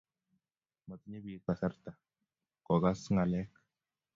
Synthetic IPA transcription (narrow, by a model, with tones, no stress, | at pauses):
ma˨t̪i˦ɲe˦bi˨˦pa˨sa˦ɾt̪a˨ | kɔ˨ɡa˦sŋa˨lɛ˦k